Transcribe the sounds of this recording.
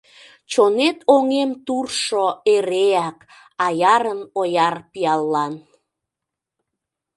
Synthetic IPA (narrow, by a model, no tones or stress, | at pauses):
t͡ɕonet̪oŋemt̪urʃoeɾeæk | ɑjɑɾənojɑrpiɑlːɑn